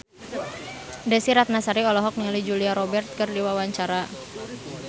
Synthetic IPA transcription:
dɛsiɾat̪̚nasaɾiɔlɔɦɔk̚niŋlid͡ʒuliaɾɔbɛrt̪̚kɨrdiwawaɲt͡ʃaɾa

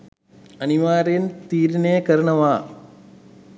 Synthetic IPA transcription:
ɐniʋaːɾɐjnt̪iːɾineːkɐɾɐɳɐʋaː

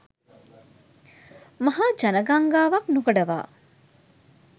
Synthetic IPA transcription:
mɐɦaːd͡ʒɐnɐɡaŋɡaːʋɐknuɡɐɖɐʋa̰ː

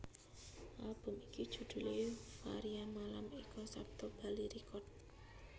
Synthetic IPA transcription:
ʔalb̥ʊ̤mikid̥ʒ̥ṳd̪̥ṳlefaɾiamalamikɔsap̚t̪ɔb̥a̤liɾikɔt̪̚

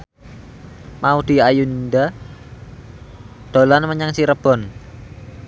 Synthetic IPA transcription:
maud̪̥i̤ajund̪a | d̪̥o̤lanməɲaŋsiɾəb̥ɔ̤n

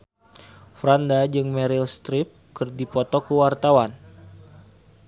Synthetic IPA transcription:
fɾandad͡ʒɨŋmɛɾilst̪ɾip̚kɨrdipɔt̪ɔkəwart̪awan

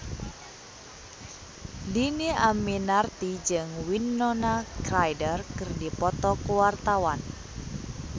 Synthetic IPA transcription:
dineʔaminart̪id͡ʒɨŋwinːɔnakɾajdərkɨrdipɔt̪ɔkuwart̪awan

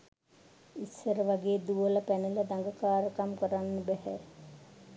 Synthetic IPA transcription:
isːəɾəʋaɡeːd̪uʋələpæniləd̪aŋɡəkaːɾəkamkəɾanːəbɛhɛ

